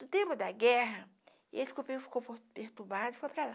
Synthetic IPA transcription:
d̪̥ʊt̪ẽmpʊd̪ɐɡɛɦɐ | esɪ̥kopefi̥koppeht̪ubad̪ʊfojpɾala

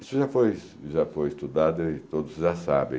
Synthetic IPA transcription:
isʊʒafojs | ʒafojɪst̪ud̪ad̪ʊɪt̪od̪ʊsʒasabḛ̃

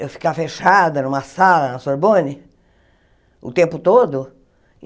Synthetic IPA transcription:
ewfi̥kafeʃad̪ɐnũmɐsalɐnɐsoɾbõnɪ | ʊ̰t̪ẽmpʊt̪od̪ʊ

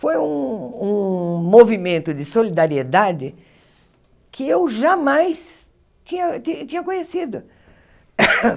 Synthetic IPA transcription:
fojũũmovimẽnt̪ʊd͡ʒɪsolid̪aɾied̪ad͡ʒɪ | kʰɪewʒamajs | t͡ʃĩɲɐtit͡ʃĩɲɐkõɲesid̪ʊ

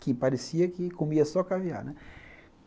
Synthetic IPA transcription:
kɪpaɾesiɐkɪkomiɐsɔkavia̰ɾnɛ

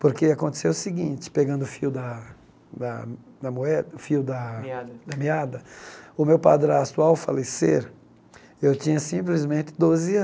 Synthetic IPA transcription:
poɾkeakõt̪e̥sewʊsɪɡĩnt͡ʃɪ̥peɡɐ̃nd̪ʊfiwd̪ɐ | d̪ɐ | d̪ɐmoɛd̪ɐfiwd̪ɐad̪ɐmiad̪ɐʊmewpa̰d̪ɾat̪uawfa̰leseɾ | ewt͡ʃĩɲɐsĩplizmẽnt̪ɪd̪ozɪɐ

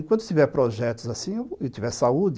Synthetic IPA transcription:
kwɐ̃nt̪ʊt̪ivɛɾpɾoʒɛt̪ʊzasĩewewt̪ivɛɾsaud͡ʒ

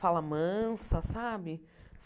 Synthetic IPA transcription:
alɐmɐ̃sɐsabɪf

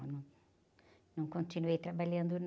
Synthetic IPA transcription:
nɐ̃ | nɐ̃w̃kõnt̪inuejt̪ɾabaʎɐ̃nd̪un

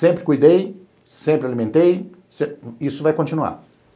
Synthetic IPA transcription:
sẽmpɾɪkujd̪ej | sẽmpɾɪalimẽnt̪ej | sẽisʊvajkõnt͡ʃinua̰ɾ

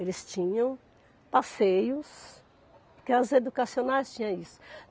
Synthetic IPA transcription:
elɪst͡ʃĩɲɐ̃w̃ | pasejʊs | kɪazed̪ukasionajst͡ʃĩɲɐ̃isʊ̥

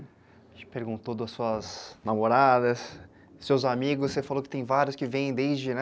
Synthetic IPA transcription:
ẽt͡ʃɪ̥peɾɡũnt̪od̪ʊɐsuɐznamoɾad̪ɐsː | ewzamiɡʊssefalokɪ̥t̪ẽj̃vaɾjʊskɪvẽjẽj̃d̪ezd͡ʒɪnɛ

